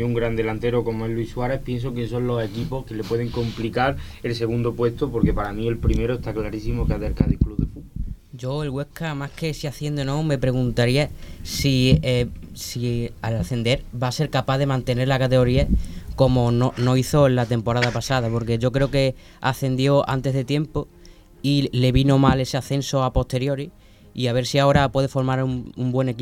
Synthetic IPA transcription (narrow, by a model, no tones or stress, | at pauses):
uŋɡɾand̪e̞lant̪e̞ɾoko̞moe̞ɦluiswaɾe̞hpje̞ns̬o̞k̬ensõ̞nlo̞se̞kipo̞hke̞le̞pwe̞ð̞e̞ŋkõ̞mplikaɾe̞lse̞ɣund̪o̞pwe̞st̪opo̞ɾke̞paɾamie̞lpɾime̞ɾoest̪aklaɾisimokeaðelkaðihkluðefuo | d͡ʒo̞elɣwe̞hkamahke̞siaθje̞nd̪enõme̞pɾe̞ɣ̞unt̪aɾiasiesialaθe̞nd̪e̞ɾbase̞ɾkapaðe̞mãnt̪e̞ne̞ɾlakat̪e̞ɣo̞ɾiako̞mo̞nono̞iθo̞lat̪e̞mpo̞ɾaðapasaðapo̞ɾke̞ʝo̞kɾe̞oke̞ | aθe̞nd̪jo̞a̰nt̪e̞ɦðe̞t̪je̞mpo̞ | ile̞βino̞male̞seaθe̞nso̞apo̞ht̪e̞ɾjo̞ɾi | iaβe̞ɾsiao̞ɾapwe̞ðe̞fo̞ɾmaɾuumbwe̞ne̞ki